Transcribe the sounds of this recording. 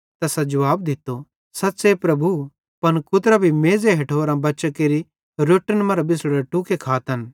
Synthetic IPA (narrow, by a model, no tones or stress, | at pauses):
t̪ɐːsɛd͡ʒɐʋaːbd̪ɪt̪ːo | sɐt̪ːsepɾɐbu | pɐnkʊt̪ɾabʱimeːzeɦeʈʰoːɾãbɐːʃəkeːɾi | ɾoːʈənmɐɾbɪsɽeʈukekʰaːt̪ɐn